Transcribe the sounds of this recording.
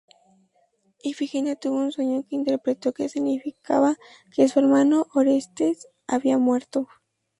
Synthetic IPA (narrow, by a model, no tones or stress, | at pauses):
ifixinat̪uβounsweɲokeint̪eɾpɾet̪okesiɡnifika̰βa | keseɾmanoʔoɾest̪es | aβiamweɾt̪o